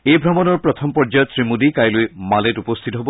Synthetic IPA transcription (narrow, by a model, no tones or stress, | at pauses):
ejbʱɹamɔnɔɹpɹɔt̪ʰɔmpɔɹd͡ʒajɔtsɹimudikajlojmalɛtupɔst̪ʰitɔɦobɔ